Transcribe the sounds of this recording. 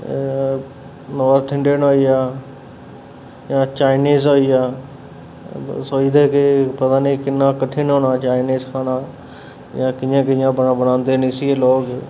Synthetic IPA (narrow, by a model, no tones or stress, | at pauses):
noəɾt̪ʰɪ̃ɳɖeːnoːiaː | jãːt͡ʃaːɪniːzoiaː | soiːd̪əkʰeːpɐd̪aːnikɪnãkɐʈʰinoːnaːt͡ʃaːɪniːzkʰaːnaː | jãːkɪ̃ə̃kɪ̃jãbənabɐnãːnd̪eːnisieloːɡ